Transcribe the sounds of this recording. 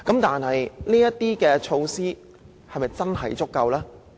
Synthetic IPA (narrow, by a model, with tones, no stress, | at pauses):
kɐ˨˥mt̪aː˨nɦɐ˨jliː˥jɐ˥t̪iː˥kɛː˧t͡ʃʰo˧wsiː˥ | hɐ˨jmɐ˨jt͡sɐ˥nɦɐ̰˨˩jt͡sʊ˥kːɐ˧wlaː˥